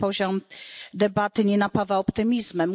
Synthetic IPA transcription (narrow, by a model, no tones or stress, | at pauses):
pɔʑɔmd̪ɛbat̪ɘɲɛnapavaɔpt̪ɘmʲizmɛm